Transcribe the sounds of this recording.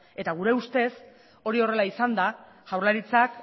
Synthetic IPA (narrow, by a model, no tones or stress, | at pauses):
e̞t̪aɣ̞uɾe̞ust̪e̞s | o̞ɾio̞re̞laisand̪a | ʝawɾlaɾit͡sak